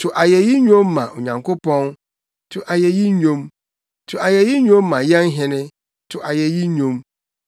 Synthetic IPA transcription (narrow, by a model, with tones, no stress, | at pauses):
tʰʊ˨ʔa˨jɛ˨ji˦ɲᶣõ˦mːã˨ʔo˨ɲã˨ŋkʰo˦pʰɔ̃˦n | tʰʊ˨ʔa˨jɛ˨ji˦ɲᶣõ˦m | tʰʊ˨a˨jɛ˨ji˦ɲᶣõ˦mːã˨jɛ˦n˦ɦɪ̃˦nɪ̃˦ | tʰʊ˨ʔa˨jɛ˨ji˦ɲᶣõ˦m